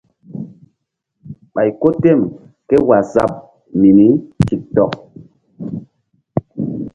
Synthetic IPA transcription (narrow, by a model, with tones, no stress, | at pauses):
ɓa˨jko˦te˦˨m | ke˦wa˨za̰˦˨p̚ | mi˨ni˨˦ti˨k̚tɔ˨k̚